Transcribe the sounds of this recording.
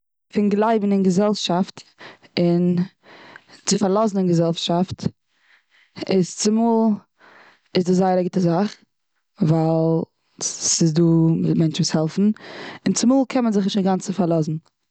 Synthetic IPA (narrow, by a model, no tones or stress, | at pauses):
fɪnɡlˠaɪbn̩ɪnɡəzɛlˠʃaftɪn | t͡sɪfaɾlˠɔzn̩ɪnɡəzɛlˠʃaft | ɪst͡sɪmuːlˠ | ɪzdɪzaɪəɾaɡɪtəzaχ | valˠ | sɪzduːmɛnt͡ʃvuːshɛlˠfn̩ɪnt͡sɪmuːlˠkʰɛnmənzɪχnɪʃaɡant͡səfaɾlˠɔzn̩